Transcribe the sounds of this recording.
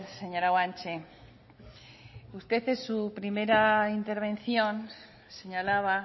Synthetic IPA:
se̞ɲo̞ɾawant͡ʃe | ust̪e̞θesupɾime̞ɾaint̪e̞ɾβ̞ẽ̞nθjo̞n | se̞ɲalaβ̞a

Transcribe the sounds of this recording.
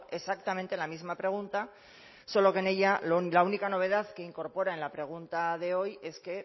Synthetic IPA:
e̞sak̚t̪ament̪e̞lamizmapɾe̞ɣ̞unt̪a | so̞lo̞ke̞ne̞ʎallaunikano̞β̞e̞ð̞aðke̞iŋko̞ɾpo̞ɾae̞nlapɾe̞ɣ̞unt̪aðe̞o̞je̞ske̞

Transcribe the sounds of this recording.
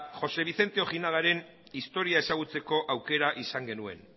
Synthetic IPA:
xo̞se̞β̞iθe̞nt̪eo̞xinaðaɾe̞n | ist̪o̞ɾiae̞saɣ̞ut͡se̞ko̞ʔawke̞ɾaʔisaŋɡe̞nue̞̰n

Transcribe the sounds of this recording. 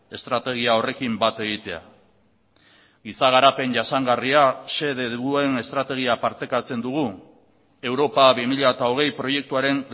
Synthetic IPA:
e̞st̪ɾat̪e̞ɣ̞iao̞re̞kimbat̪e̞ɣ̞it̪e̞a̰ | ɣisaɣ̞aɾape̞nʝasaŋɡariase̞ðeue̞ne̞st̪ɾat̪e̞ɣ̞iapaɾt̪e̞kat͡se̞nd̪uɣ̞u | e̞wɾo̞paβimiʎaet̪ao̞ɣ̞e̞jpɾo̞je̞k̚t̪uaɾe̞n

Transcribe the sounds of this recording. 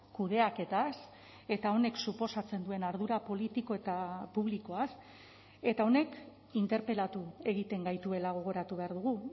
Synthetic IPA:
kuð̞e̞ake̞t̪as | e̞t̪ao̞ne̞ksupo̞sat͡se̞nd̪ue̞naɾð̞uɾapo̞lit̪iko̞e̞t̪apuβ̞liko̞as | e̞t̪ao̞ne̞k | int̪e̞ɾpe̞lat̪ue̞ɣ̞it̪e̞ŋɡajt̪ue̞laɣ̞o̞ɣ̞o̞ɾat̪uβe̞aɾðuɣ̞u

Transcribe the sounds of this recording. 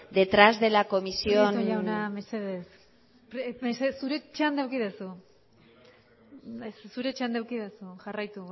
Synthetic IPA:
d̪e̞t̪ɾazðe̞lako̞misiooʎawnameseðes | pɾmesesuɾet͡ʃand̪awkiðasu | essuɾet͡ʃand̪awkiðasuʝarajt̪u

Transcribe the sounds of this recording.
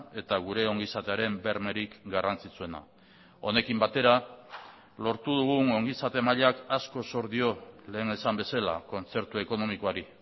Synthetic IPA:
e̞t̪aɣ̞uɾe̞o̞ŋɡisat̪e̞aɾe̞mbe̞ɾme̞ɾikɡarant͡sit͡sue̞na̰ | o̞ne̞kimbat̪e̞ɾa | lo̞ɾt̪uðuɣuŋo̞ŋɡisat̪e̞maʎakasko̞so̞ɾðio̞le̞ːne̞sambe̞sala̰ko̞nt͡se̞ɾt̪ue̞ko̞no̞mikoaɾi

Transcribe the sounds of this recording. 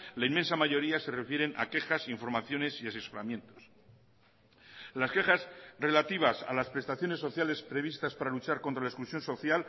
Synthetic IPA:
laime̞nsamaʝo̞ɾiase̞re̞fje̞ɾe̞nʔa̰ke̞xasiɱfo̞ɾmaθjo̞ne̞sias̬e̞so̞ɾamjẽ̞nt̪o̞̥s | laske̞xazre̞lat̪iβ̞asa̰laspɾe̞st̪aθjo̞ne̞sːo̞θjale̞spɾe̞β̞ist̪aspaɾalut͡ʃaɾko̞nt̪ɾalaesklusjo̞nso̞θjal

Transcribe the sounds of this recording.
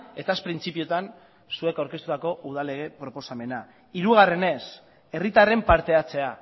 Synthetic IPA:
e̞t̪aspɾint͡sipiot̪an | sue̞kawɾket̪ut̪ako̞ʔuðale̞ɣ̞e̞pɾo̞po̞same̞na | iɾuɣ̞are̞ne̞s | e̞rit̪are̞mpaɾt̪e̞at͡se̞a

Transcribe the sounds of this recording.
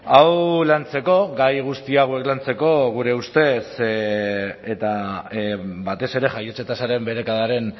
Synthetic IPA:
awlant͡se̞ko̞ɣajɣ̞ust̪iaɣwe̞klant͡se̞ko̞ɣ̞uɾe̞ust̪e̞s | et̪a | bat̪e̞se̞ɾe̞ʝajet͡set̪asaɾe̞mbe̞ɾe̞kaðaɾe̞n

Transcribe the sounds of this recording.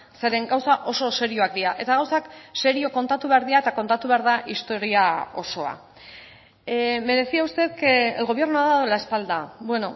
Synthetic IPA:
se̞ɾe̞ŋɡawsaʔo̞so̞se̞ɾio̞ak̚d̪iɾaʔe̞t̪aɣ̞awsakse̞ɾio̞ko̞nt̪at̪uβe̞aɾðiae̞t̪ako̞nt̪at̪uβe̞aɾðaʔist̪o̞ɾiao̞so̞a̰ | me̞ɾe̞siaust̪e̞t̪kelɣo̞βje̞ɾnuaðaðoelae̞spald̪abwe̞no̞

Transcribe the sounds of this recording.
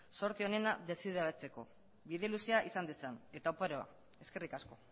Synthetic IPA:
so̞ɾt̪io̞ne̞naðe̞siðeɾat͡se̞ko̞ | βiðelusiaʔisand̪esane̞t̪aupaɾoa̰ | e̞ske̞rikasko̞

